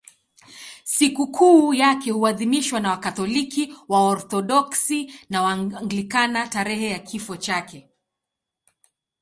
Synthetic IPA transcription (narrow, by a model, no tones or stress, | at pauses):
sikukʰuːjakɛhuaðimiʃwanawakat̪ɔlikiwaɔɾθɔɗɔksinawaŋɡlikanataɾɛhɛjakʰifɔt͡ʃakɛ